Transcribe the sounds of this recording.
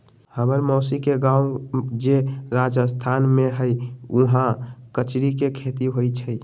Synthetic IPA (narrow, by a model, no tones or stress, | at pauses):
həməɾmɔːsikeɡãud͡ʒeɾad͡ʒəst̪ʰanmeɦəjuɦãkət͡ʃɾikekʰet̪iɦojt͡ʃʰəj